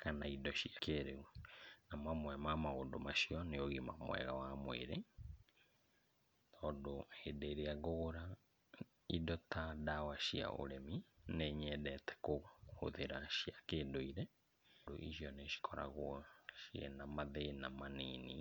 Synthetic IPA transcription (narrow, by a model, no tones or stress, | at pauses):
kʰanaidɔɕiakeɾeunamamwɛmamaoːndomaʃiɔneoɣemamwɛ̰ɣawamwḛɾe | tʰɔːdohedeɾeaɣoɣoɾa | idɔtadawaɕia̰ʔo̰ɾɛmineɲɛdɛtɛ̥koho̰ðeɾaɕiakeːdoiɾɛ | do̰ʔḭɕijɔneɕi̥kʰɔɾa̰ɣwɔʃiɛ̰namaðenamaniːni